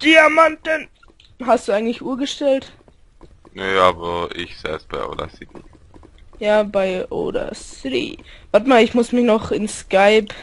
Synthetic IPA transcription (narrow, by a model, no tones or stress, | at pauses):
d̥iamantən | ɦast̚d̥uːaɪɡŋ̩tlɪçʔuːɐɡəʃtɛlt | neːaːbɐɪçz̥ɛ̰ːsb̥aɪʔo̰ːda̰sɪti | jaːbaɪʔo̰ːda̰sɪtḭvaɐtmaːlɪçmʊsmɪçnɔχɪnskaɪp